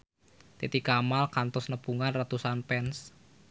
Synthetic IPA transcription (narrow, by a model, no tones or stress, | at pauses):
t̪et̪ikamalkant̪ʊsnəpuŋanrat̪usanpɛns